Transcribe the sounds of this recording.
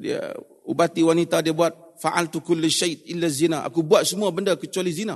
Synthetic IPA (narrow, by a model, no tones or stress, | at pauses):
dḭa̰ | ubat̪iwanit̪adiabuat̪̚faʔa̰lt̪ukʊlːʃajt̪̚ʔɪlːazinaʔa̰kubuat̪̚səmuabəndakət͡ʃualizina